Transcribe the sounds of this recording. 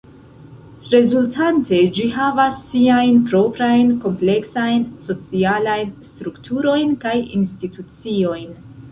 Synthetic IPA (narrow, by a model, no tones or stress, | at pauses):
ɾe̞zultʰante̞d͡ʒihavasːiajnpɾo̞pɾajnko̞mple̞ksajnso̞t͡sialajnstɾuktʰuɾo̞jnkajḭnstitut͡sio̞jn